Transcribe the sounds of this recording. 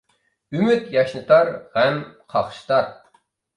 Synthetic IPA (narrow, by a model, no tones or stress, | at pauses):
ymyt̪jɑʃnɨt̪ʰɑɾʁæmqʰɑχʃt̪ʰɑɾ